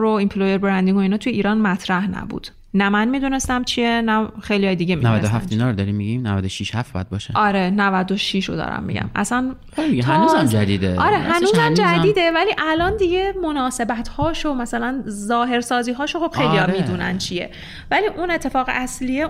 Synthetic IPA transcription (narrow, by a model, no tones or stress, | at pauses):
ɾoimpʰlojeɾbeɾænd̪iŋɡoinɒːt̪ʰujeʔiːɾɒːnmæt̪ʰɾæhnæ̰bṵːd̪̥ | næmænmid̪uːne̞st̪æmt͡ʃʰienæxejlijɒːjed̪iɟeminævæ̰d̪oɦæfmt̪inɒːɾod̪ɒɾimːiɡimnævæd̪oʃiʃhæfbɒ̰jæd̪̚bɒːʃeɒɾenævæd̪oʃiʃɾo̰d̪ɒ̰ɾæ̰mːḭɟæ̰mæ̰sæn | iænːuzæmd͡ʒæd̪iːd̪eɒɾehænuːzæmd͡ʒæd̪iːd̪evæliʔælɒnd̪iɟe̞monɒːse̞bæt̪ʰhɒːʃomæsælænzɒːɦe̞ɾsɒːziːɦɒːʃoxob̥xejlijɒmiːd̪uːnæ̰nt͡ʃʰijḛ | væliːʔune̞t̪ʰːe̞fɒːɣeʔæslie